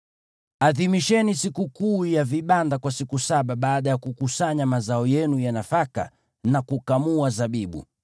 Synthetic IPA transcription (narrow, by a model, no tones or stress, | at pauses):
aðimiʃɛnisikukuːjaviɓandakwasikusaɓaɓaːɗajakukusaɲamazaɔjɛnujanafaka̰ | nakukamuazaɓiɓṵ